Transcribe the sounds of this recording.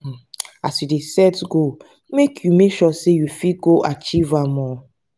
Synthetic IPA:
asidesɛtɡo | mekʰjumeʃɔsejufiɡoʔat͡ʃivamɔ

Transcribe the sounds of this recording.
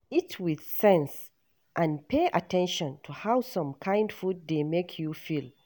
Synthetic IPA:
itʰwið̥sɛ̃ns | ʔãnpʰeʔatʰɛ̃nʃɔ̃ntʰuhawsʌ̃mkʰãɪ̃ndfud̚demekʰjufilˠ

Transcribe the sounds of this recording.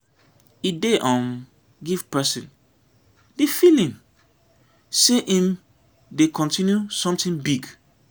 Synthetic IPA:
ideʔɔ̃n | ɡivpʰɛsĩn | defilĩm | seʔĩm | dekʰɔ̃ntʰĩnjusɔ̃mtĩŋbiɡ

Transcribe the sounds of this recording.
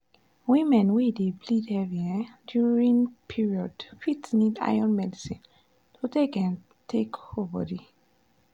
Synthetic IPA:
wĩmɛ̃nwideblidhɛvĩɛdjuɹĩŋpʰiɹiɔdfitsnida̰jɔ̃nmɛdisĩn | tʰodekɛ̃n | tʰekovə̰di

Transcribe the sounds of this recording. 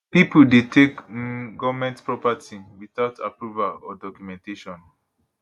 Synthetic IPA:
pipudetʰekɡɔvamɛ̃ntpɹɔpatʰĩmwiθaʊtʰapɹuvalɔdɔkjumɛ̃nteʃɔ̃n

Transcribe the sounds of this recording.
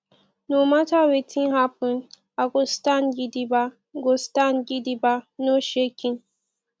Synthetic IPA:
nomatawetʰĩnɦapun | aɡostanɡʲidiba | ɡostanɡidibanoʃekʲin

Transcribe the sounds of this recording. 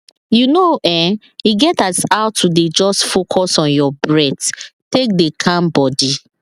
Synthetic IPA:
junoʔɛ̃ | iɡɛtasaʊtʰːuded͡ʒɔstfokʰɔsɔ̃njɔbɹɛdtek̚dekʰãmbɔdi

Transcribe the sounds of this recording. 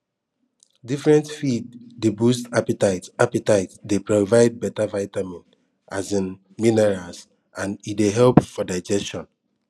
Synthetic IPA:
difɹɛ̃ntfiddebustapitaɪtapitaɪtdepɹovaɪd̚bɛtavaɪtamĩn | ʔazĩn | minɛɹas | ãnitdeɦɛlpfɔdaɪd͡ʒɛstɔ̃n

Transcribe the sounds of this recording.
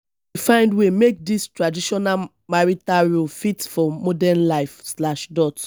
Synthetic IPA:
wifãɪ̃ndwemek̚distɹadiʃɔna | maɹitaɹulfitfɔmɔdɛnlaɪfslaʃdɔt

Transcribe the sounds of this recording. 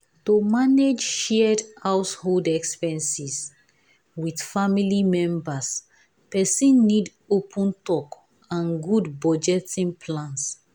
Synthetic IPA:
tomaned͡ʒʃɛɛdhawsholdɛkspɛ̃nsis | widfamilimɛ̃mbas | pɛsĩnːid | opʰɔ̃ntɔk | ãnɡudbɔd͡ʒɛtĩŋpʰlãns

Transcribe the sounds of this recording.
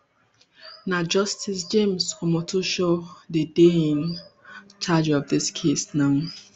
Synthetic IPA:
nad͡ʒɔstʰɪsd͡ʒẽmsɔmɔtʰuʃodədeĩn | t͡ʃad͡ʒɔvdɪskʰesnaʊ

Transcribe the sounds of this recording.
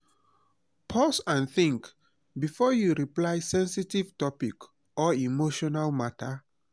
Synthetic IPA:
pʰɔsãnθĩŋk | bifɔjuɹiplajsɛ̃nsitiv̥tɔpik | ɔimoʃɔnalmatʰa

